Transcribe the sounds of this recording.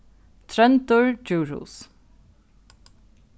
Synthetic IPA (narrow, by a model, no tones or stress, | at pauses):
t̪ʰɾɛnt̪ʊɹd͡ʒuːɹṵːs